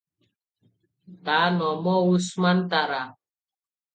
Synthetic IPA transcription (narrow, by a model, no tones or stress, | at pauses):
tanɔmɔusmant̪aɾa